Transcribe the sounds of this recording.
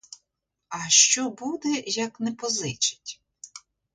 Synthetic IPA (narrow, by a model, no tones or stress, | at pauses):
ɐʃt͡ʃɔbud̪ɛjɐknɛpɔzɪt͡ʃɪ̥tʲ